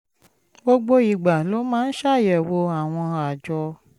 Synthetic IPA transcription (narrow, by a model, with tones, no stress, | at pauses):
bo˦ɡ͡bo˧i˨ɡ͡ba˨lo˨˦mãː˦n̩˦ʃa˦˨jɛ˨wo˧a˨w̃ɔ̃˧a˨d͡ʒɔ˧